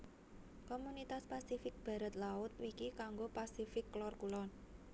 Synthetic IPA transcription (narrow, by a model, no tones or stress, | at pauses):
komunit̪aspasifɪk̚b̥ä̤ɾa̤t̪laʊt̪̚wikikaŋɡopasifɪkːlɔrkulɔn